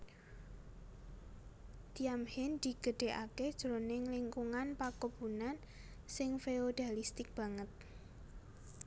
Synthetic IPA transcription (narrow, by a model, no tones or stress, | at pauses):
d̪̥iamhɪnd̪̥i̤ɡ̥ə̤ɖ̥e̤ʔaked̥ʒ̥ɾonɪŋlɪŋkuŋanpakubunan | sɪŋfeod̪̥a̤list̪ɪk̚b̥a̤ŋət̪̚